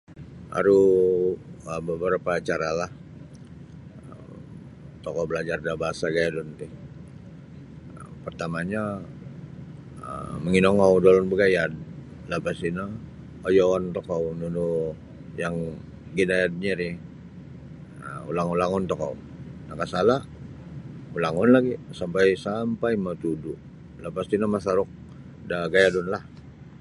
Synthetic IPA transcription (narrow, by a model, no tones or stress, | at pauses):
a̰ɾu | əbəbəɾapaːt͡ʃaɾalah | ə | m | t̪ɔkɔbəlad͡ʒardabaɦasaɡajadunt̪ɪ | ə̰mpərt̪amaɲa | ə̰məŋinɔŋɔwdolɔnbəɡajad̚ | labasina | ojowant̪ɔkawnunu | jaŋ | ɡinajad̚ɲaɾi | əṵlaŋulaŋʊnt̪ɔka̰w | nakasala | ulaŋɔnlaɡisampajsampajmət̪uduʔ | lapasinamasaɾʊk̚ | daɡajadʊnlah